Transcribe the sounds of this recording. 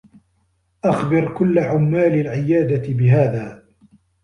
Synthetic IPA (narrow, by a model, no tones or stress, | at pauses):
ʔaxbɪɾkʊlːaʕʊmːaːlalʕɪjaːd̪at̪ɪbɪɦaːðaː